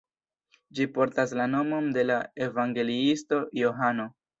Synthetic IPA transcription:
d͡ʒipo̞ɾtaslano̞mo̞nde̞lae̞vaŋɡe̞liisto̞jo̞ɦano̞

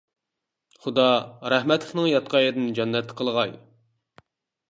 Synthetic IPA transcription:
χud̪ɑɾɛhmɛt̪lɪχnɨŋjɑt̪̚qʰɑjed̪ɪnd͡ʒɑnːɛt̪ʰːqʰəlˠʁɑj

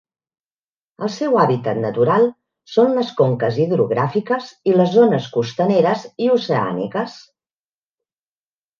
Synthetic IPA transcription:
əlˠsɛwaβit̪ət̪nət̪uɾalˠ | sonləskoŋkəziðɾuɣ̞ɾafikəziləzːonəskust̪əneɾəziusəa̰nḭkəs

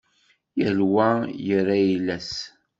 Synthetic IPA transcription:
jəlwæjəɾːajilːæs

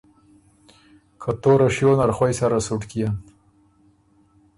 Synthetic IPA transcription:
kʰat̪oɾaʃjonaɾxwajsaɾasuʈkijam

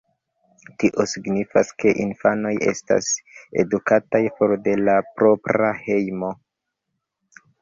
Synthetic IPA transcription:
tiʔo̞siɡnifaske̞ʔinfano̞jʔe̞̰sta̰se̞̰dukatajpo̞ɾde̞lapɾo̞pɾahe̞jmo̞

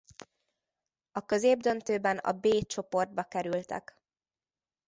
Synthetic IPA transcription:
ɒkø̞zeːb̚d̪ø̞nt̪øːbɛnɒ̰beːt͡ʃo̞po̞rd̪̚bɒkɛɾylt̪ɛ̰k

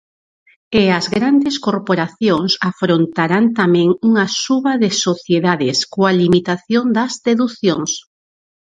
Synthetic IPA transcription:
eɐzɣɾand̪eskoɾpoɾaθjoŋsafɾont̪aɾant̪amɛ̃ŋuŋɐsuβɐðɪsoθjeðaðɪskoalimit̪aθjond̪ɐzðeðuθjoŋs

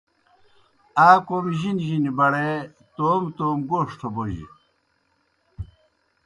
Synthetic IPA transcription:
aːkomiʑinʑinibɐɽe | t̪oːmt̪oːmɡoːʂʈʰoboʑḭ

